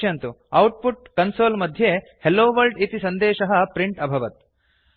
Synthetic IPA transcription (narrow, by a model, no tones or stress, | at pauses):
ɐnt̪uɐwʈ̚puʈ̚kɐnsoːlmɐd̪ʱje | heloːʋɐlɖit̪isɐnd̪ɛːʃɐɦɐ̆pɾiɳʈɐbʱɐʋɐt̪̚